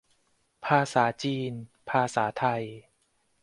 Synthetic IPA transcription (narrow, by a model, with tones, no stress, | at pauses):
pʰaː˧saː˩˦t͡ɕiː˧npʰaː˧saː˩˦t̪ʰa˧j